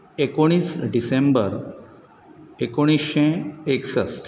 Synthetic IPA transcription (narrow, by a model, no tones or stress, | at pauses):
ekoɽ̃iːsɖisẽmbəɾ | ekoɽ̃isʃẽeksəs